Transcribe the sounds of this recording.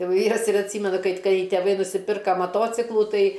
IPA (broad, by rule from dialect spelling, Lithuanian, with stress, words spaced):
ˈjɛʊ ˈʋʲiːrɐs ɪr ɐtʲˈsʲiːmʲɛnʊ ˈkɐɪp ˈkɐɪ tʲɛˈʋɐɪ nʊsʲɪˈpʲɪrkɐ mɐˈtoːt͡sʲɪklˠuː ˈtɐɪ